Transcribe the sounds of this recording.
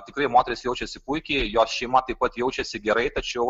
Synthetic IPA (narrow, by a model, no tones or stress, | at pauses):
t̪ʲɪkɾɐɪmoːt̪ʲɛɾʲɪsjɛʊt͡ʃʲɛsʲɪpuɪkʲejoːsʃʲɛɪmɐt̪ɐɪp̚ɐt̪jɛʊt͡ʃʲɛsʲɪɡʲɛɾɐɪt̪ɐt͡ʃʲɛʊ